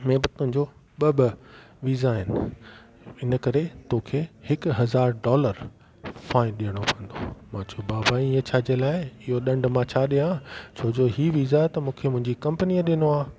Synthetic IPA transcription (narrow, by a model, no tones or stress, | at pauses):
mẽːbɐt̪ʊɦɪ̃ɲd͡ʑo | ɓɐɓ | ʋiːzaɦɪnɪ̆ | ɪnə̆kɐɾet̪okʰehɪkɦɐzaːɾɖɔːləɾ | fãːɪ̃ɗijəɽ̃opʰɐ̃nd̪o̰mãːd͡ʑobaːbaiə̃t͡ɕʰaːd͡ʑelaːɪɪɦoɗɐ̃ɳɖmãt͡ɕʰaɗijãːt͡ɕʰoːd͡ʑoɦiːʋizat̪ɐmũːkʰemʊ̃ɦɪ̃ɲd͡ʑikɐ̃mpəniəɗinoaː